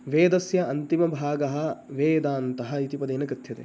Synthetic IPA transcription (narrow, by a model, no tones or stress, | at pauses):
ʋeːd̪ɐsjɐɐnt̪imɐbʱaːɡɐɦɐ̆ʋeːd̪aːnt̪ɐɦɐ̆it̪ipɐd̪eːnɐkɾit̪ʰjɐt̪ḛː